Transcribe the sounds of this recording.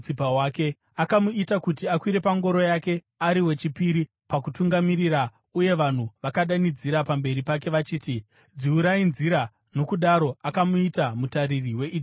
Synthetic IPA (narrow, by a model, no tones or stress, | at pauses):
t͡sipawake̞ | akamuitakutiakwiɾe̞paŋɡo̞ɾo̞jake̞ | aɾiwe̞t͡ʃipiɾi | pakutuŋɡamiɾira | uje̞ʋan̤uʋakaɗanid͡ziɾapambe̞ɾipak̬e̞ʋat͡ʃiːti | d͡ziuɾainziɾa | no̞kuɗaɾo̞akamuitamutaɾiriwe̞ʔi